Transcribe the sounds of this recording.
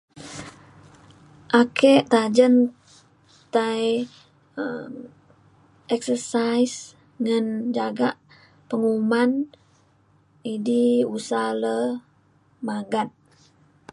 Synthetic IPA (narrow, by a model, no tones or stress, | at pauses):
ʔakeʔt̪ad͡ʒən | t̪aj | əm | ɛksərsajs | ŋand͡ʒaɡaʔ | pəŋuman | idiusalə | maɡat̪̚